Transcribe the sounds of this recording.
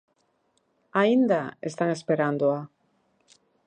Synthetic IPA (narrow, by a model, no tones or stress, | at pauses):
aind̪aḛst̪aŋespeɾand̪oa